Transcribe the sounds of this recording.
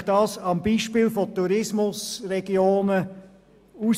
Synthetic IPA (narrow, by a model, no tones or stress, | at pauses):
d̥ɑːsɑmbiːʃpɪːlfotuɾɪsmʊsɾɛɡjoːnə | us